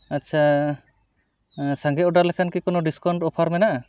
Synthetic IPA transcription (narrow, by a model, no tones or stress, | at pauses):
atːt͡ʃʰa | saŋɡɛɔɖaɾlɛkʰankikɔnɔɖiskaɳʈɔpʰaɾmɛnaʔa